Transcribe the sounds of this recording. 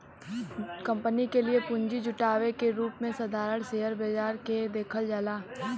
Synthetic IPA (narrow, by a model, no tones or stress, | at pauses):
kɐ̃mpənikeliepʊ̃ɲd͡ʒid͡ʒʊʈaːʋekeɾuːpmẽsɐd̪ʱaːɾəɽseːɦəɾbed͡ʒaːɾked̪eːkʰəld͡ʒaːlaː